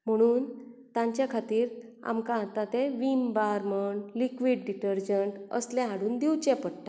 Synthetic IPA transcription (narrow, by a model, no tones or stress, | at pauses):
m̤əɽ̃uːnt̪ãɲt͡ɕjakʰat̪iːɾ | a̰mkããt̪ãt̪eʋimbaɾməɳlikʋiːɖɖiʈəɾd͡ʑəɳʈə̰slɛ̃ɦãɽuːnd̪iwt͡ɕɛ̃pəɽʈa